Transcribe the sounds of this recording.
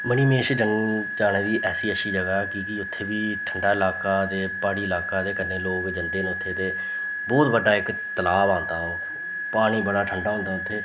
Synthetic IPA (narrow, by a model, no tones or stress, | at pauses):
məniːmeːʃd͡ʒənt͡ʃaːɽ̃eːd̪iːʔɛːsiːəʃiːd͡ʒəɡaːkɪkɪʊt̪ʰːeːbiːʈʰəɳɖaːɪlaːkaːd̪eːpaːɽiːɪlaːkaːd̪eːkəɾneːloːkd͡ʒənd̪eːnːʊt̪ʰːeːt̪eː | bɔːt̪bəɖːaːɪk | t̪əlaːbãːnd̪aːɦõː | paːɽ̃iːbəɽaːʈʰəɳɖaːɦʊ̃nd̪aːʊt̪ʰːeː